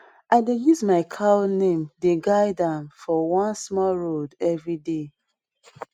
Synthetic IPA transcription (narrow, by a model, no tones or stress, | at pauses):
ʔaɪdejuzmaɪkʰanẽmdeɡaɪdãmfɔwãnsmɔlɹodɛvɹide